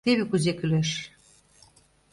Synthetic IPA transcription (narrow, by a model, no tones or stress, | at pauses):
t̪eβekuzekyleʃ